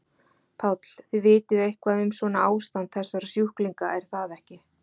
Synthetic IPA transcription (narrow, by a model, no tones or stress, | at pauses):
pʰawt̪l̥θɪðvɪːt̪ɪðehkʰvaðʏmsvɔnaaːwst̪ant̪θɛsːaɾsjuhkliŋkaʔɛɾ̥θaðɛhcɪ